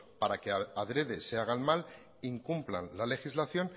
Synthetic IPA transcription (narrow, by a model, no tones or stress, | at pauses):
paɾake̞aðɾe̞ðe̞seaɣ̞anmal | iŋkumpla̰nlale̞xizlaθjo̞n